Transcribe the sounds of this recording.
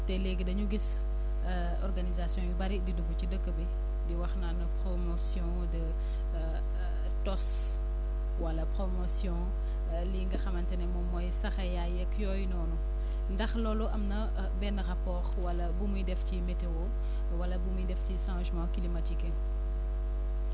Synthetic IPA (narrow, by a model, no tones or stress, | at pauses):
tɛlɛɡidɐɲuɡis | ɔrɡanizasjɔ̃jubɐɾididuɡucidəkːəbi | diwɐxnanɐpɾomɔsjɔ̃ | dɐ | tɔs | wɐlɐpɾɔmɔsjɔ̃ | liːŋɡɐxɐmɐntɛnɛmɔmɔjsɐxɐjajɐkjɔjnɔːnu | ndɐxlɔːluʔɐmnɐ | bɛnːɐɾapɔːxwɐlɐbumujdɛfcimɛtewo | wɐlɐbumujdɛfcisãwʃmawkilimatikɛ